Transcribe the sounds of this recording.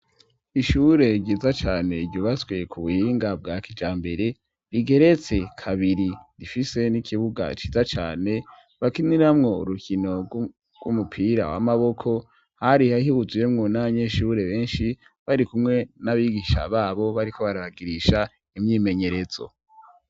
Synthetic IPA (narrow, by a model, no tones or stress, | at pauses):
iʃuɾe̞ɾɟiːzat͡ʃaːne̞idɟuβasɡwe̞kʰuβuhiːŋɡab̚ɡaːkid͡ʒaːmbe̞ɾe̞ | ɾiɡe̞ɾe̞t͡se̞kʰaβiɾiɾifise̞nikʰiβuɡa̰t͡ʃiːzat͡ʃa̰ːne̞ | βakiniɾamŋo̞ṵɾukʰino̞ | ɡ̥wṵmupʰiɾa̰wa̰maβo̞kʰo̞ | haɾihaɦiβuzijemŋonaβaɲeʃuːɾe̞βe̞ːnʃi | βaɾikumŋe̞naβiɡiʃa̰βaːβo̞βaɾikʰo̞βaɾaβaɡiɾiʃa | imɲiːme̞ɲe̞ɾe̞z̥o̞̰